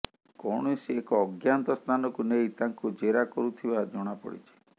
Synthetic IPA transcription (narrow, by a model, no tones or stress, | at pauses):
kɔɽ̃ɔsiekɔːɡjant̪ɔst̪ʰanɔkunejt̪aŋkud͡ʒeɾakɔɾut̪ʰibad͡ʒɔɽ̃apɔ̰ɽḭt͡ʃʰi̥